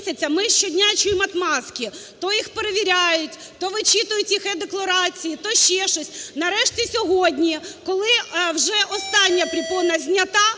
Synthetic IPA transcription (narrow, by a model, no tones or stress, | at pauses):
sʲɐt͡sʲːɐmɪʃt͡ʃɔdʲnʲat͡ʃʊjɪmɐt̪mɑskʲit̪ɔjixpeɾeʋʲiɾʲajʊtʲ | t̪ɔʋɪt͡ʃit̪ʊjʊtʲixɛd̪eklˠɐɾɑt͡sʲijit̪ɔʃt͡ʃɛʃɔsʲnɐɾɛʃtʲisʲɔɦodʲnʲikɔlˠɪwʒɛʔɔst̪ɑnʲːɐpɾʲipɔnɐzʲnʲɐt̪ɑ